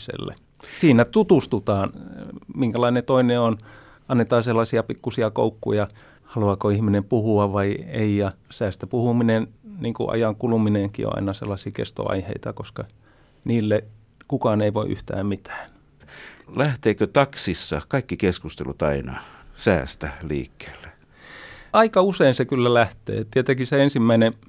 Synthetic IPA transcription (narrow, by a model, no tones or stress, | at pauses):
sḛlːḛ | siːnæt̪ut̪ust̪ut̪ɑːnmiŋkælɑinet̪oineon | ɑnːet̪ɑːselːɑsiɑpikːusiɑko̰ukːujɑ | hɑluɑkoihminempuhuɑʋʋɑieijɑsæːst̪æpuhuminenniːŋkṵʔɑ̰jɑŋkulumineŋkḭo̰ʔɑ̰inɑsḛlːɑsiːkḛst̪o̰ɑ̰ihḛit̪ɑkoskɑ | niːlːe | kukɑːneiʋoiʔy̰ht̪æ̰ːmmit̪ʰæ̥ːn | læht̪eːkøt̪ɑksisːɑ̰kɑikːikeskust̪ḛlut̪ɑinɑ̰sæ̰ːst̪ælḭːkːe̥ːlːe̥ | ɑikɑuseinsekylːælæht̪ḛːt̪iet̪ekiseensimːæine